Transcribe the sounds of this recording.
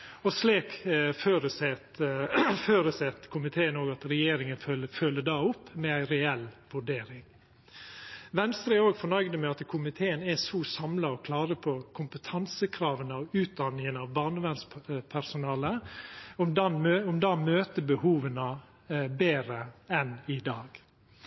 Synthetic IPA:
ɔsliːkføːɾəsɛt̪føːɾəsɛt̪kʰʊmɪt̪ʰeːənoːɡɑt̪ɾɛjeːɾɪŋənlfœlːəɖɑːʊpːmɛæɪɾɛɛlʋʉɖeːɾɪŋ | ʋɛnst̪ɾəoːɡfɔɳœʏɡd̪əmɛɑt̪kʰʊmɪt̪ʰeːənɛsɔsɑmlɑɔkʰlɑːɾəpʰɔkʰʊmpət̪ʰɑnsəkʰɾɑːʋənəɔʉːt̪̚d̪ɑnːɪŋənɑʋbɑːɳəʋɛnspʰæɾsʊnɑːləɔmd̪ɑnmøɔmd̪ɑːmøːt̪əbəhuːʋənə | beːɾəɛnɪd̪ɑːɡ

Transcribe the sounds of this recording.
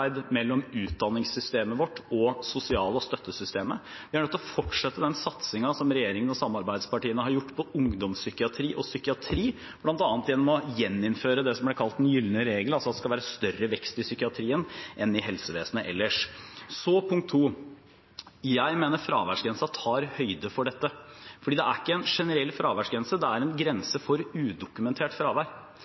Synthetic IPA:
ɪd̪mɛlːɔmʉːt̪̚d̪ɑnːɪŋsʏst̪eːməʋɔʈːɔsʊsɪɑːləɔst̪œt̪ːəsʏst̪eːmə | ʋɪhɑɾɳœt̪ːɔfɔʈʂɛt̪ːəd̪ɛnsɑt̪sɪŋɑsɔmɾɛjeːɾɪŋənɔsɑmːɑɾbæɪd̪spɑʈiːənəhɑɾjʊʈːpʰɔʊŋd̪ɔmsʏkɪɑt̪ʰɾiːʔɔsʏkɪɑt̪ʰɾiː | b̥lɑnt̪ɑːnt̪jɛnːɔmɔjɛnːɪnføːɾəd̪ɛsɔmblæɪɾkʰɑlt̪d̪ɛnjʏlnəɾeːɡəlɑlsɔɑt̪d̪ɛskɑlʋæːɾəst̪œrːəʋɛkst̪ɪsʏkɪɑt̪ʰɾiːənʔɛnɪɦɛlsəʋeːsənəʔɛlːəʂsɔpʰʊŋkt̪ʰːuː | jæɪmeːnəɾfɾɑ̰ːʋæʂɡɾɛnsɑt̪ʰɑːɾhœʏd̪əfɔɖɛt̪ːəfɔɖiːd̪ɛæɾɪkːəɛnʂɛnəɾɛlːfɾɑːʋæʂɡɾɛnsəd̪ɛæɾɛnɡɾɛnsəfɔɾʉːd̪ʊkʉmɛnt̪ʰeːʈfɾɑːʋæɾ

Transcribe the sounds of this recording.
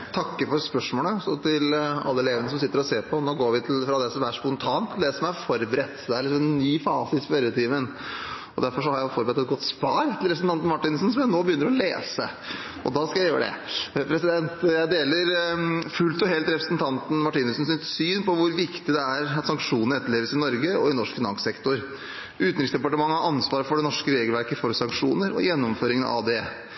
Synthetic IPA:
t̪ʰɑkːəfɔɾspœʂmoːləɔsɔt̪ʰɪlɑ̰lːəɛleːʋənəsɔmsɪt̪ːəɾɔseːɾpʰɔnoːɡoːɾʋɪt̪ʰɪlfɾɑd̪ɛsɔʋ̪æʂspɔnt̪ʰɑːnt̪ʰːd̪ɛsɔmæfɔɾbɾɛt̪ːd̪ɛæɾlɪks̬ɔmɛnːyːfɑːsəɪspœɾət̪ʰiːʋən | ɔd̪æɾfɔʂɔhɑɾjæfɔɾbəɾɛt̪ːɛt̪̚ɡɔt̪ːspɑːɾt̪ʰɪlɾɛpɾsn̩ɑnt̪nmɑʈːɪnsn̩sɔmjænoːbəjʏnːɾɔlḛːsə̰ | ɔ̰d̪ɑːskɑjæɪjøːɾəɖɛ̰pʰɾɛsɪd̪ɛnt̪jæɪd̪eːləɾfʉlt̪ɔɦɛlt̪ɾɛpɾəsnt̪ʰɑnt̪n̩mɑʈiːnʉsn̩sɪt̪syːnpɔʋʊɾʋɪkt̪ɪd̪ɛæɾɑt̪sɑŋkʂuːnəɾɛt̪ːəɭeːʋəsɪnɔɾɡəɔ̰ɪnɔʂkfɪnɑ̰nssɛkt̪ʊɾ | ʉːt̪nɾɪksd̪ɛpɑʈəmɑŋːəhɑɾɑnsʋɑːɾəfɔɖɛnɔʂkəɾeːɡəlʋæɾkəfɔɾsɑŋkʂuːnəɾɔ̰jɛnːɔmføːɾɪŋənɑ̰ʋd̪ɛ

